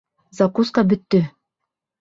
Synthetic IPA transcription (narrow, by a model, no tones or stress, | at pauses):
zakuskɑbɵ̆t̪ːɵ